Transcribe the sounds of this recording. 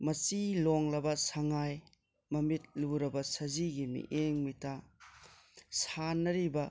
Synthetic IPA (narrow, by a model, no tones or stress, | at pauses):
mɐsiloŋlɐbɐsɐŋaj | mɐmit̚luɾɐbɐsɐziɡimḭʔeŋmita | sanɐɾibɐ